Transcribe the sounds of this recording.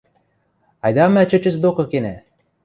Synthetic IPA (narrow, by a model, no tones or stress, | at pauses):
ɑjd̪ɑmæt͡ɕə̆t͡ɕɘ̆sd̪okɤ̆kenæ